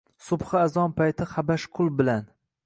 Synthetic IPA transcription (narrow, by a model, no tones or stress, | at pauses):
sʊbχɨazɒnpʰajt̪ʰɪχabaʃqʰʊlˠbɪlan